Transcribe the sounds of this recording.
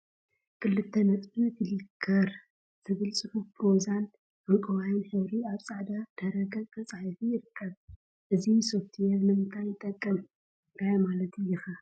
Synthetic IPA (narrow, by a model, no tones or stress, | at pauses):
kʰɨlːɨt̪ʰːɐnɐt͡sʼbɨt̪ɨlɨkʰːɐɾ | zɨβɨlsʼɨħupʰɾozan | ʔɐŋkʼɐβajnħɨβɾiaβsʼaʕd̪ad̪̥ɐɾɐɡɐkt̪ʰʼɐt͡sʼaʕifijɪɾɨkʰːɐβ | ʔɨziso̞ft̪ʰijɛβnɨnt̪ʰajɪt̪ʼːɐkʼːɐm | t̪ʰajmalɐt̪ɨjːɛxa